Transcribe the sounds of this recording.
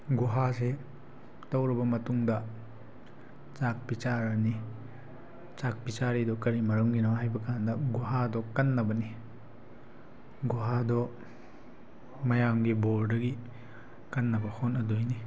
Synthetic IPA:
ɡuɦase | tɐwɾibɐmɐtuŋdɐ | t͡ʃak̚bit͡ʃaɾɐni | t͡ʃak̚bit͡ʃaɾidɔkɐɾimɐɾuŋɡinɔɦajbɐkandɐɡuɦadɔkɐnːɐbɐni | ɡuɦadɔ | mɐjaŋɡiboɾdɐɡi | kɐnːɐbɐhonɐdojni

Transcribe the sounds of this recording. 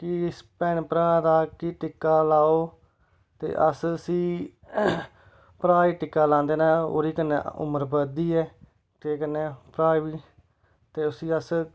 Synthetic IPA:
kɪspɛːɳpɾaːd̪aːkɪʈɪkːaːlaːoː | t̪ḛːʔəsəsĩː | pɾaːiːʈɪkːaːlãːnd̪eːnãːo̰ːɾiːkənːḛːʊ̰məɾbəd̪iːɛː | keːkənːeːpɾaːiːʋiː | t̪eːʊsĩːəs

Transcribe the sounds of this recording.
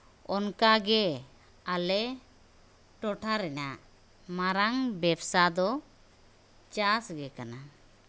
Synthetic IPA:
ɔnkaɡɛ | alɛ | ʈɔʈʰaɾɛnaʔ | maɾaŋbɛbsad̪ɔ | t͡ʃasɡɛkana

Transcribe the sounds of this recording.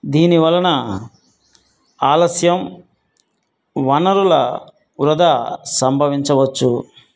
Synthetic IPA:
d̪iːniʋɐlːɐnɐ | aːlɐsjɐm | ʋɐnɐɾulɐ | uɾɐd̪asɐmbʱɐʋiɲt͡ʃɐʋɐt͡ʃːu

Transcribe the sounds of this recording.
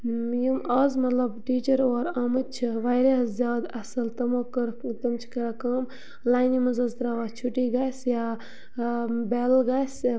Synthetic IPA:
jimɐːzmɐt̪lɐbʈiːt͡ʃɐɾoːɾɐmɨt͡ʃʰiʋaːjɾezʲjaːd̪ɐsɐlt̪ɐmoːkɐɾt̪ɐmt͡ʃʰkɐɾakɐːm | laːnimɐzɐzt̪ɾaːʋaːt͡ʃʰuʈiːɡasja | beːlɡaːs

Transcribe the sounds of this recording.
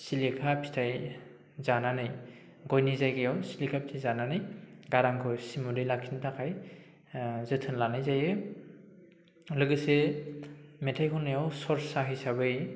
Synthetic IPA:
silikʰapʰi̥tʰaj | zananɯj | ɡɔjnizajɡɯjawsilikʰapʰitʰajzananɯjɡaɾaŋkʰɔsimudɯjlakʰintʰakʰaj | zɯtʰɯnlanɯjzajɯ | lɯɡɯse | metʰajkʰɔnːɯjawsɔɾsaɦijsaβɯj

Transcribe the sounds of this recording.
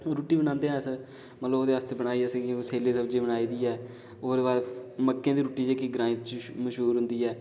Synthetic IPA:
oɾuːʈiːbəñãːnd̪eːɦɛ̃ːs | mət̪ləboːd̪eːʋaːst̪eːbəɽ̃aːiːɛːsɡoːseːleːsəbd͡ʒeːbəɽaːiːd̪iːɛː | oːɾaːməkːẽːd̪iːɾuːʈiːd͡ʒeːkiɡɾãːit̪məʃɦuːɾɦʊ̃nd̪iːɛː

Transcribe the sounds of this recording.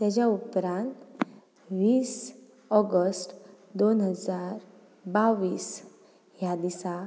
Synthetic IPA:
t̪jat͡ɕjaupɾãnt̪ | ʋiːs | ɔɡəsʈ | d̪onɦəd͡zaɾ | baʋiːs | ɦjad̪isa

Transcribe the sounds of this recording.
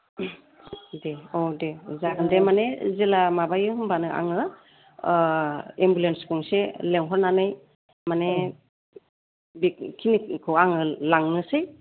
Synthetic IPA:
deodezaɡɯndemanezelamabajɯhɯmbanɯʔa̰ŋɯ | embulenskuŋseleŋɦɔɾnanɯj | mane | bikkʰinikʰɯwaŋɯlaŋːɯsɯj

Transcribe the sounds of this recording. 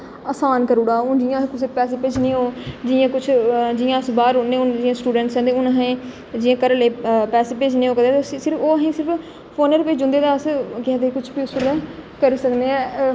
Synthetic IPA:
əːsaːnkəɾuːɽaːõːd͡ʒɪjãːkʊs̬eːpɛːs̬eːpeːd͡ʒnĩːɦoːd͡ʒɪjãːkʊt͡ʃʰd͡ʒɪjãːəsbaːɾonːẽːʊnd͡ʒɪjãːsʈuːɖə̃ɳʈsɛ̃ːd̪eʊnaɦẽː | d͡ʒɪjãːkəɾleːpɛːseːpeːd͡ʒnẽːoːkəd̪et̪esɪɾəoːɦẽːsɪɾəp | pʰoːnəɾpeːd͡ʒʊ̃nd̪eːd̪aːəskɪɛ̃d̪ekʊt͡ʃʰpiːʊsʊɾdãːkəɾisəkneːɛː

